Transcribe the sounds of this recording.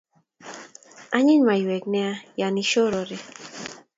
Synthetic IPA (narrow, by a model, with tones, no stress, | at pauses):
a˦ɲɪ˦ɲma˨i˨we˨knɛ˦a˦ja˨ni˦ʃo˦ɾɔ˨ɾe˨